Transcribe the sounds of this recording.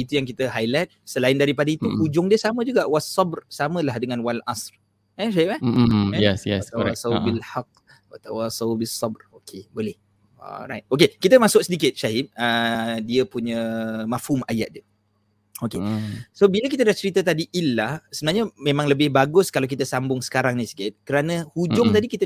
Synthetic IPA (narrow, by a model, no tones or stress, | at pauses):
it̪ujaŋkit̪əɦajlat̪̚səlaɪndaɾipadəit̪ukud͡ʒʊŋdiəsamə̃d͡ʒuɡaʔwasːɑbrsamə̃lahdəŋãnwalʔa̰sr | ɛʃaipaɛjɛsjɛat̪awasawbilħaq̚ | wa̰t̪awasawbisːɑbrokʰebolɛh | ɔ̰lɾa̰jt̪̚okekit̪əmasʊk̚sədik̬ɪt̪̚ʃaɦip̚ədiəpuɲə̃mafhuma̰jat̪̚diə | okesobilək̬it̪̬ədaht͡ʃəɾit̪ət̪adiʔilːahsəbənaɦɲəmẽmãŋləbɪhbaɡʊskalawk̬it̪əsambʊŋsə̥kaɾaŋnisi̥kɪt̪̚kəɾanə̃hud͡ʒʊŋt̪adikit̪ə